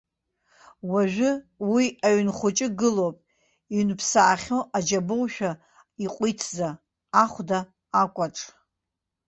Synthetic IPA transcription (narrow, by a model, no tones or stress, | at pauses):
waʒᶣʊwiaɥnχʷʊt͡ʃʼɪɡɨlowpʼ | iɥnpʰsaːχʲoʔad͡ʒabowʃᶣa | iqʷʼitʰzaː | χʷdaː | kʷʼaʈ͡ʂʼ